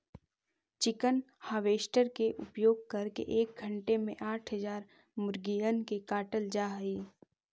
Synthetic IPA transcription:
t͡ʃɪkən | haːʋeːʃʈəɾkeʔʊpjoːɡ̚kɐɾkḛʔeːk̚ɡʱə̃ɳʈemẽʔaːʈʰɦəzaːɾ | mʊɾɡijənkekaːʈəld͡ʒaːɦiː

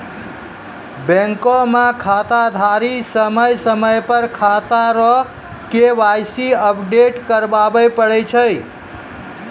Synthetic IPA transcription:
bɛ̃ŋkomãkʰat̪ad̪ʱaɾisəməjsəməjpəɾkʰat̪aɾɔ | keʋajsiəpʰɖeʈkəɾbabəjpəɽɛt͡ʃʰəj

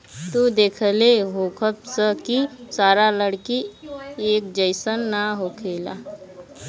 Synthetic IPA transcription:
t̪ud̪eːkʰəleɦoːkʰəpsəkisaːɾaləɽkieːk̚d͡ʒəɪsənːaɦokʰeːla̰

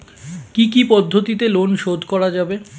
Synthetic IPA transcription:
kikipɔd̪ʱːot̪it̪elonʃod̪ʱkɔɽad͡ʑabe

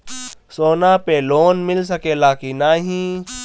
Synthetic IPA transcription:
soːnaːpeːloːnmɪls̬ɐkeːlaːkinaːɦĩː

